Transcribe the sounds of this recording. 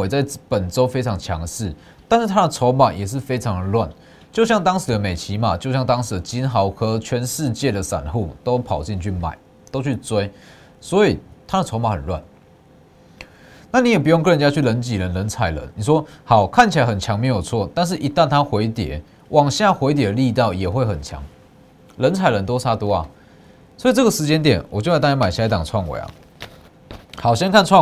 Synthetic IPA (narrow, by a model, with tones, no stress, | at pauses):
e˨˩t͡sa˥˩ɪpə˨˩nt͡so˦ʊfe˥ɪt͡sʰɑ˧˥ŋt͡ɕʰjɑ̰˧˦ŋd̪ə˨ʂɻ̩˥˩ | t̪a˥˧nʂ̩˥˩t̪ʰa˦˥ə˨t͡sʰɔ˧˦ʊma˨˩jɛ˨˩ʂ̬ɻ̩˥˩fe˥ɪt͡sʰɑ˧˦ŋd̪ə˨lwa˥˨n | t͡ɕjo˥˧ʊɕjɑ˥˩ŋt̪ɑ˥ŋʂɻ̩˨˩d̪ə˦me˨˩ɪt͡ɕʰi˨˥ma˨t͡ɕjo˥˧ʊɕjɑ˥˩ŋt̪ɑ˥ŋʂ̩˨˩d̪ə˨t͡ɕi˦nxɑ˧˥ʊkʰɤ˧˩t͡ɕʰɥɛ˧˦nʂɻ̩˥˧t͡ɕjɛ˥˩d̪ə˩sa̰˨˩nxṵ˥˩t̪o˦ʊpʰɑ˨˩ʊt͡ɕi˥˧nt͡ɕʰy˥˩ma̰˨˩˦ɪ | t̪o˥ʊt͡ɕʰy˥˩t͡swe˥ɪ | swɔ˧˥i˨˩t̪ʰa˥d̪ə˨t͡sʰo˧˥ʊma˨˩xə˨˩nlwa̰˥˩n | na˥˨ni˨˦jɛ˨˩p̬u˧˥jo˥˧ŋkɤ˥˩˨ə˧˦nt͡ɕja˥t͡ɕʰy˥˩˨lə˧˦nt͡ɕi˨˩lə˨˦nlə˧˦nt͡sʰa˨˩ɪlə̰˦nni˨˩ʂwɔ˦hɑ˨˩ʊkʰa˥˩nt͡ɕʰi˨la˧˦ɪxə˨˩nt͡ɕʰjɑ˧˦ŋme˧˥ɪjo˨˩t͡sʰwɔ˥˨t̪a˥˧nʂ̬̩˥˩ʔi˧˦˥t̪a˥˧nt̪ʰa˦xwe˧˦ɪt̪jɛ̰˨˦ | wʔɑ˨˩ŋɕja˥˩xwe˧˥ɪt̪̬jɛ˨˦li˥˧t̪ɑ˥˩ʊjɛ˨˩xwe˥˩ɪxə˨˩nt͡ɕʰjɑ̰˧˦ŋ | lə˧˥nt͡sʰa˨˩ɪlə˧˦nt̪̬ɔ˥ʊsʰa˥t̪wɔ˥a̰˨˩ | swɔ˧˥i˨˩t͡sɤ˥˩ɡə˩ʂɻ̩˧˦t͡ɕjɛ˥nt̪̬jɛ˨˩˦nwɔ˨˩t͡ɕjo˥˧˥t̪a˥˩ja˥ma˨˩ɪɕi˨˩˨t̪a˨˩t͡sʰwɑ˥˩ŋwḛ˨˦ɐ̰˨˩ | xɑ˨˩ʊɕjɛ˥nkʰa˥˧nt͡sʰwɑ˥˨